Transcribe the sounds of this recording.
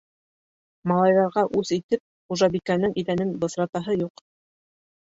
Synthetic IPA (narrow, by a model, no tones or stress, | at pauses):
mɑlˠɑjðɑɾʁɑʔʉsit̪ɘp̚χuʒɑbikænɘŋʔiðænɘnbɤ̆sɾɑt̪ɑɦɤjuq